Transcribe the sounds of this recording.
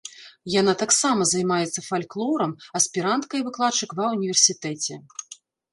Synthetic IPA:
janat̪aksamɐzɐjmajɛt̪sːɐfalʲklˠɔɾɐmɐspʲiɾant̪kɐivɨklˠat͡ʂːɨkvɐunʲivʲɛrsʲit̪ɛt͡sʲɛ

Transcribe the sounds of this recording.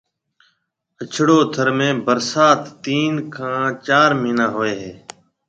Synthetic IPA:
ət͡ʃʰɽoːt̪ʰəɾmẽːbəɾsaːt̪ːiːnkʰãːt͡ʃaːɾmiːnaːɦoːeːɦeː

